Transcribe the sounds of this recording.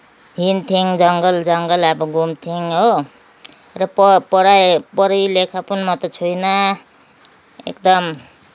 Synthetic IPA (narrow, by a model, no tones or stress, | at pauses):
ɦint̪ʰiŋd͡zʌŋɡʌld͡zʌŋɡʌlʌbʌɡumt̪ʰiŋɦo | rʌppʌɽajpʌɾijlekʰapunmʌt̪ʌt͡sʰujnʌ | ḛkd̪ʌm